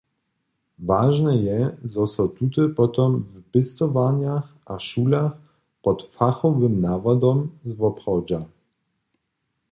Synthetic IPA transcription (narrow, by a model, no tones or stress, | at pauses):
vaʒnɛjɛzɔsɔt̪ut̪ɘpɔt̪ɔmvpɘst̪ɔvaɲax | aʃulax | pɔt̪faxɔvɘmnavad̪ɔmzvɔpχɔwd͡ʑa